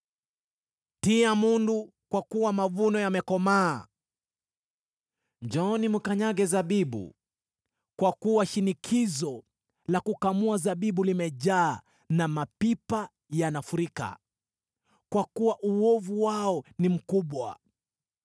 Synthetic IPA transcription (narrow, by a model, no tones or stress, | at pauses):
tiamundu | kwakuwamavunɔjamɛkɔmaː | d͡ʒɔnimukaɲaɠɛzaɓiɓṵ | kwakuwaʃinikʰizɔ | lakukamuazaɓiɓulimɛʄaː | namapipa | janafuɾika̰ | kwakuwaʔuɔvuwaɔnim̩kuɓwa̰